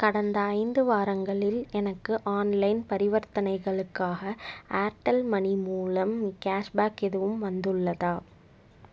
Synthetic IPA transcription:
kɐɽɐnd̪ɐːɪnd̪ɯʋaːɾɐŋɡɐɭɪlɛnɐkːɯʔaːnlɐɪnpɐɾɪʋɐɾt̪ɐnɐɪɣɐɭɯkːaːɣɐʔaːɾʈɐlmɐnimuːlɐmːkaːʂbaːkɛðɯʋɯmʋɐnd̪ɯɭːɐðaː

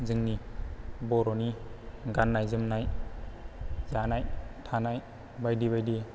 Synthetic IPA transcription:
zɯŋnibɔɾɔniɡanːajzɯmnaj | zanajtʰanaj | bajdiβajdi

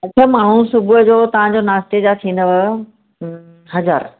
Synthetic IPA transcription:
ɐt͡ɕʰəmaːɳ̤usʊbuəd͡ʑoːt̪ɐʋ̤ãd͡ʑoːnaːst̪ed͡ʑat̪ʰĩːn̆d̪əʋə | ɦɐd͡ʑa̰ːɾ

